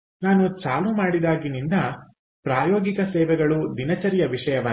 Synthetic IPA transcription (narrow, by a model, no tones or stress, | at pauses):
naːnut͡ʃaːlumaːɽid̪aːɡinind̪ɐ | pɾaːjɔːɡikɐsɛːʋɛɡɐɭud̪inɐt͡ʃɐɾjɐʋiʂɐjɐʋɐ